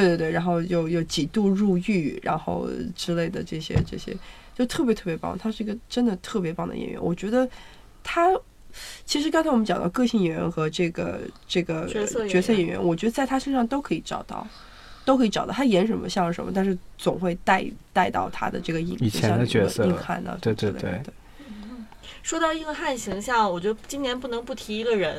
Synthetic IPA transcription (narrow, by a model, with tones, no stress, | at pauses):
t̪we˥˧t̪wt̪wɪa˧˥nxo˥˧ʊjo˥˧ʊjo˥˩ʊt͡ɕi˨˩t̪u˥˧ɻu˥˧y˥˩ɻa̰˧˥nxo̰˥˧ʊʈ͡ʂɻ̩˥le˥˩ɪd̪ə˩ʈ͡ʂɤ˥˩ɕjɛ̰˥ʈ͡ʂɤ˥˩ɕjɛ̰˥t͡ɕjo˥˧ʊt̪ʰɤ˥˩p̬jt̪ʰɤ˥˩pjɛ˧˥pɑ̰˥˩ə˩t̪ʰa˥ʂɻ̩˥˩i˧˥ɡə˧ʈ͡ʂə˥nd̪ə˨t̪ʰɤ˥˩pjɛ˧˥pɑ˥˩ŋd̪ə̰˧jɛ̰˩ɥɛ̰˧˥nwɔ˨˩t͡ɕɥɛ˧˥d̪ə˧ | t̪ʰa˥ | t͡ɕʰi˧˥ʂɻ̩˧˥k̬nsʰa˥wɔ˨m˧˥t͡ɕjɑ˨˩ŋd̪ɑ̰˥˧ʊkɤ˥˧ɕi˥˩ŋjɥɛ˧˥nxɤ˧˥ʈ͡ʂɤ˥˩ɡə̰˩ʈ͡ʂɤ˥˩ɡə˩˧˥t͡ɕɥɛ˧˥sɤ˥˩jɛ˨˩nɥɛ̰˧˥nwɔ˨˩t͡ɕɥɛ˧˥˧t͡sa˥˩ɪt̪ʰa˥ʂə˥˧ʂɑ˥˧ŋt̪o˥ʊkʰɤ˧˥i˧˥ʈ͡ʂɑ˨˩ʊt̪ɑ̰˥˩ʊ | t̪o˥kʰɤ˧˥˧ɑ˨˩t̪ɑ˥˩t̪ʰa˥jɛ˧˥nʂə˧˥nmə̰˧ɕjɑ˥˩ŋʂə̰˧˥mə˧t̪a˥˧nʂɻ̩˥˩t͡sʊ˨˩ŋxwe˥˧ɪt̪a˥˧ɪt̪a˥˧ɪt̪ɑ̰˥˧ʊt̪ʰa̰˥d̪ə̰˨ʈ͡ʂɤ˥˩ɡə˩i˨˩ŋi˨˩t͡ɕʰjɛ˧˦˥nd̪ə˧t͡ɕɥɛ̰˧˥˧ɤ˥i˥˧ŋxa̰˥˩nlə̰˧te˥˩lḛ˥ḛ˥˩t̪we˥˩ɪ | ʂwɔ˥t̪ɑ˥˧ʊi˥˩ɡə˧xa˥˩nɕi˧˥ŋɕjɑ˥˩ŋwɔ˨˩t͡ɕɥɛ˧˥d̪ə˧t͡ɕi˥nnjɛ˧˥npu˥˩nɤ˧˥ŋpu˥˩t̪ʰi˧˥i˧˥ɡə˧ɻə˧˥n